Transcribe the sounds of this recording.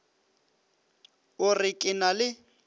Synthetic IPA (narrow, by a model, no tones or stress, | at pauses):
ʊrɪkʼɪnalɪ